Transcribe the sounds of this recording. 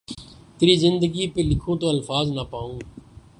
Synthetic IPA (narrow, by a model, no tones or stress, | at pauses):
t̪eɾiːzɪnd̪əɡiːpeːlɪkʰũːt̪oːəlfaːznaːpaːũː